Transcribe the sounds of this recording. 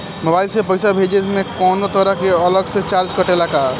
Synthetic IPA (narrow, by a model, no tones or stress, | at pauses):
mobaːilsepəjsabʱed͡ʒesmẽkɔːnot̪əɾəɦkeələɡset͡ʃaːɾd͡ʒkəʈelaka